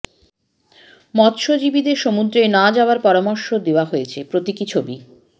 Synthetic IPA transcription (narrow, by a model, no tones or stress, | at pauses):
mɔt̪ʃod͡ʑibid̪eɾʃomud̪ɾenad͡ʑaaɾpɔɾamoɾʃod̪eoaɦoet͡ɕʰepɾot̪ikit͡ɕʰobi